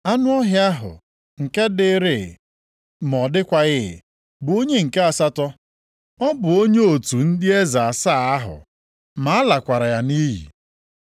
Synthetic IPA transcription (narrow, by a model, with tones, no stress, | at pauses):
a˦nʊ˦ɔ˦ɦɪ˦a˦ɦʊ̰˨ | ŋ̩˨ke˦dɪ˦ɾɪ˨ | m˨ɔ˨dɪ˦kʷa˨ɣɪ̰˦˨ | bʊ˨o˦ɲe˦ŋ̩˨ke˦a˨sa˦tɔ˦ | ɔ˦bʊ˨o˦ɲe˦o˨tu˨n̩˦dɪ˦e˦za˨a˨sa˦˨a˦ɦʊ̰˨ | ma˨a˦la˨kʷa˨ɾa˨ja˨ni˦ɦḭ˨